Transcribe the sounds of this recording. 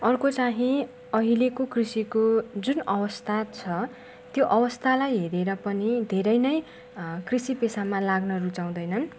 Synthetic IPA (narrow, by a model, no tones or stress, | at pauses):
ʌrkot͡saɦĩ | ʌɦilekokrisikod͡zunʌwʌst̪ʰat͡sʰʌ | t̪joʔʌwʌst̪ʰalajɦeɾeɾʌpʌnid̪ʱeɾʌjnʌj | krisipesamalaɡnʌɾut͡saw̃d̪ʌjnʌn